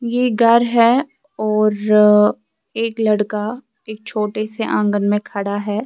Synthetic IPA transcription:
jeɡʱɐɾɦɛː | ɔːɾ | eːklɐɽka | eːk̚t͡ʃʰoːʈeseʔãːŋɡənmẽkʰɐɽaɦɛː

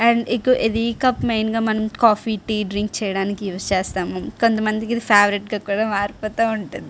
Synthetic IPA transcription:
ɛːɳɖikːuʔed̪iːkɐpmejnɡaːmɐnɐmkaːfiːʈiːɖɾiŋɡ̚t͡ʃɛːjɐɽaːnikiʋɐt͡ʃeːst̪aːmoko̞nt̪ɐmɐnd̪ikid̪ipʰaːʋɾiʈɡaːkuːɽaːmaːɾpoːt̪aːuɳʈund̪i

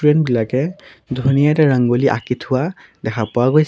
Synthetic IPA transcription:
ɹɛnbilakɛdʱunijataɹaŋɡoliʔa̰kitʰʊwa | dɛkʰapʊaɡoj

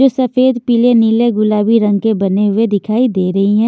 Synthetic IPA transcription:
oːsɐfeːd̪piːleniːleɡʊlaːbiɾɐ̃ŋɡkebɐneɦʊed̪ɪkʰaːid̪eːɾɐɦiɦɛ̃ː

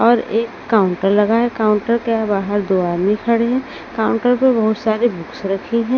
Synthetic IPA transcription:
ɔːɾeːkːaːʊ̃ɳʈəɾlɐɡaɦɛkaːʊ̃ɳʈəɾkeabaːɦəɾd̪oːaɾmĩkʰɐɽeɦɛ̃ | kaːʊ̃ɳʈəɾpebɐɦʊt̪saːɾebʊksɾɐkʰiɦɛ̃

